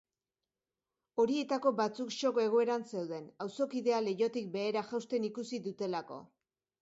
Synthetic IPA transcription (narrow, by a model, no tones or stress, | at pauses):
o̞ɾie̞t̪ako̞bat͡sukʃo̞ke̞ɣ̞o̞e̞ɾanse̞wðe̞nawso̞kiðe̞ale̞jo̞t̪ik̚be̞ːɾaʝawst̪e̞nikusiðut̪e̞lako̞̰